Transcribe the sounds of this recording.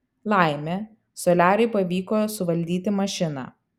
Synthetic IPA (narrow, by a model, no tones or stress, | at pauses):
lˠɐˑɪmʲɛ | sɔːlʲæːɾʲɛɪpɐʋʲiːkoːsʊʋɐlʲd̪ʲiːt̪ʲɪmɐʃʲɪnɑ̰ː